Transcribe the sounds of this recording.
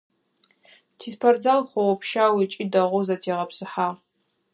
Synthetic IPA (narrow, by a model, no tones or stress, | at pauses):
tʰiːspʰɐrd͡zalχʷɔwɔpʰʃaːwit͡ʃʼiːdɐʁʷʊzɐtʰeːʁɐpsɨħaːʁ